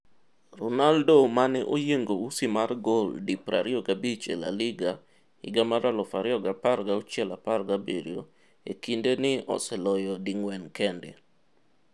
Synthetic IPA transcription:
rɔnaldomanɛʔojeŋɡousimarɡoldipɾa̰ɾɪɔɡabit͡ʃḛla̰lɪɡa | ɪ̰ɡamaɾalɔfaɾɪɔɡapaɾɡaut͡ʃjɛlaparɡabḛɾj̰o̰ | ḛkindenɪɔ̰sɛlɔjɔdiŋwɛnkɛndɛ̰

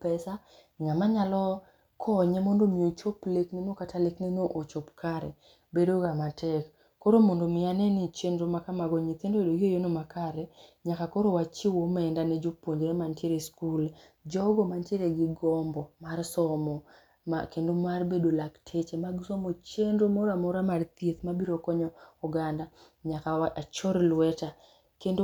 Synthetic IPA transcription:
pɛsa | ŋamaɲalɔ | kʰɔɲemondomiot͡ʃopleknenokatʰaleknenoʔot͡ʃopkaɾɛ̰ | bedoɡamatʰɛkː | oɾomondomɪjanɛnit͡ʃendɾomakamaɡɔɲit̪endobedoɡɪojonomakaɾɛɲakakoɾowat͡ʃiwomɛndanɛd͡ʒopoɲd͡ʒeɾɛmanteɾeskul | d͡ʒɔɡɔmanteɾeɡɪɡɔmbɔmarsɔmɔ | a̰kendomarbedolaktʰet͡ʃemaɡsɔmot͡ʃendɾomɔɾamɔɾamart̪jet̪mabiɾokɔɲɔuɡanda | ɲakaat͡ʃɔɾlwɛta | kendo

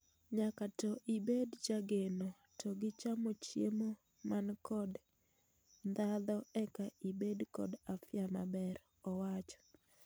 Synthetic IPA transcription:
ɲakatɔʔibedd͡ʒaɡeno | tɔɡɪt͡ʃamot͡ʃjḛmo | mankɔd | nd̪ad̪ɔɛkaibedkɔ̰dafɪama̰bɛɾ | ɔwat͡ʃɔ̥

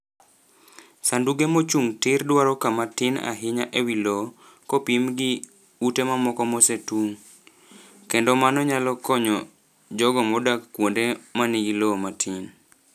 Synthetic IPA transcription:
sanduɡemot͡ʃuŋtɪrdwaɾɔkamatɪna̰ɦɪɲaʔewilɔ | kɔpimɡɪ | utemamɔkɔmɔsetuŋ | kendɔmanɔɲalɔkɔɲɔ | d͡ʒɔɡɔmɔdakːwondemaniɡilɔmatʰɪn

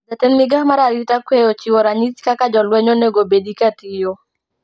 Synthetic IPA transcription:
zatɛnmɪɡahmaɾaɾitakwejot͡ʃiwoɾaɲitkakad͡ʒɔlwɛɲoneɡobedikatijo

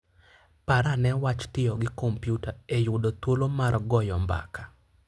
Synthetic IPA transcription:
paɾanɛwat͡ʃtɪɔɡɪkompjutaejʊdot̪wolomarɡɔjɔmba̰ka

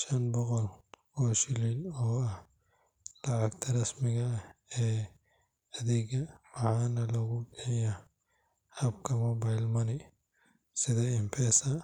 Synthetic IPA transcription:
ʃɐnbɔqɔl | ɔːʃɪliːlɔːɐh | lɑʕɑkt̪ʰɐɾɐsmɪɣɐɛː | ɐðɪɣɐmɑħɑːnɐlɐɣʊɡɛjɐ | hɐbkʰɐmɔbɐjlmɐnɪ | sɪðɐɪmpʰɛːsɐ

